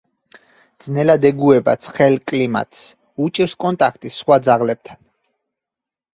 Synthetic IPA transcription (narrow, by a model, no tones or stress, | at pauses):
d̪z̥nɛlad̪ɛɡuɛba̰t̪sʰχɛlkʼlima̰t̪ʰʼs | ut͡ʃʼiɾskʼɔnt̪ʼakʰt̪ʼisːχwad̪zaʁlɛb̚t̪ʰan